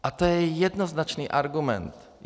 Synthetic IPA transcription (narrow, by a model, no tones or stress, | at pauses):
ʔat̪ojɛjɛdnoznat͡ʃniːʔaɾɡumɛ̰nt̪